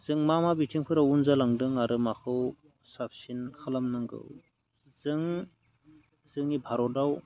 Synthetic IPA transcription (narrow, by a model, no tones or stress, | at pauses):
z̥ɯŋmamabitʰiŋkʰɯɾawunzalaŋdɯŋaɾɯmakʰɯw | sapʰsinkʰalamnɯŋɡɯ̰w | z̥ɯŋ | z̥ɯŋnibʱaɾɔdaw